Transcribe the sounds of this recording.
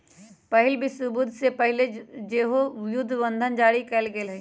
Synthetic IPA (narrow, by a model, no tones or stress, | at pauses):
pɐɦɪlbʱisʊbud̪ʱsepɐɦɪled͡ʒeːɦojʊd̪ʱːʋə̃nd̪ʱənd͡ʒaːɽikɐɪlɡɐelɦɐ